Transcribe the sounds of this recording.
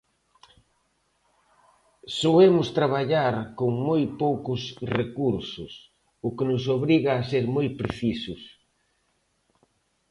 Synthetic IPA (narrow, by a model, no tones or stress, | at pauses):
soemʊst̪ɾaβ̞aʎaɾkoŋmojpowkʊsrekuɾsʊs | ʊkɪnʊs̬oβɾiɣaːseɾmojpɾeθisʊs